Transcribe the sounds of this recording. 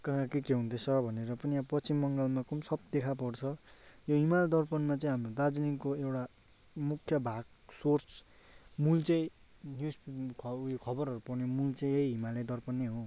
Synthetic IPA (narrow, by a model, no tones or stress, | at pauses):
kakakekeɦũnt̪ʰʌsʰʌbʱʌneɾʌpʌniapʌt͡simːʌŋɡʌlmakumsʌb̚d̪ekʰapʌrt͡sʰʌjoɦimald̪ʌrpʌnmat͡saĩɦamrod̪ad͡zliŋkoewʈa | mukʰːjʌbʱaɡ | sort͡s | mult͡sʌ̃ĩ | njuspikʰʌjokʰʌbʌrʌɾupʌrnemult͡sʌĩejɦimalʌd̪ʌrpʌnːeɦõ